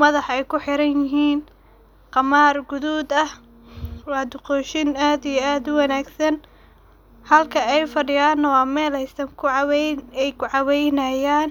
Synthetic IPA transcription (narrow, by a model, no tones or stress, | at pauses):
mɐðɑħɛjkʰʊħɪɾɐnjɪɦiːn | qɑmaːrɡʊðuːd̪ɐh | wɑːd̪ʊqɔːʃɪnaːd̪ijɛaːd̪ʊwɐnaːɡsɐn | hɐlkʰɐɛjfɐɖɪjaːnɐwɑːmɛːlɛjsɐŋkʰʊʕɑwɛɛjkʰʊʕɑwɛjnɐjaːn